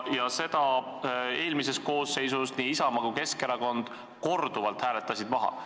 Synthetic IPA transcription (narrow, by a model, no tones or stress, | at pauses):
jɑse̞d̪̥ɑ | e̞ːlmis̬e̞st̪̚ko̞ːsːe̞jsusniisɑmɑɡuke̞skeɾɑko̞nd̪̥ | ko̞rd̪uvɑlt̪hæːle̞t̪ːˑɑsid̪̥mɑɦɑ̰